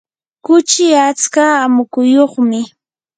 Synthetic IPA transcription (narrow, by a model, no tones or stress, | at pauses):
kʊt͡ʃɪat͡skaːmʊkʊjoχmɪ